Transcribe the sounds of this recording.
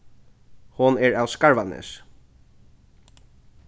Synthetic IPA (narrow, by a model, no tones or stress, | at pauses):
hʊnɛɹawskaɹvanɪ̰s